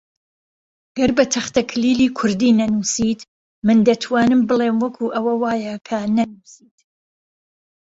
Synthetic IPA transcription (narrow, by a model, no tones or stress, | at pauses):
ɐɡɐɾbɐt̪ʰɐxt̪ɐkʰliːliːkʰʊɾd̪iːnɐnuːsit̪ | mɨnd̪ɐt̪ʰwaːnɨmbɨleːmwɐkʰuʔɐwɐwaːjɐkʰɐnɐnusiːt̪